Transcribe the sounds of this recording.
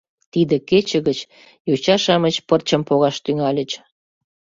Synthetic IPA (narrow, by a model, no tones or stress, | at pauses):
t̪id̪ə̆ket͡ɕə̆ɣət͡ɕ | jot͡ɕɑʃɑmət͡ɕpərt͡ɕə̆mpoɣɑʃt̪yŋɑlʲət͡ɕ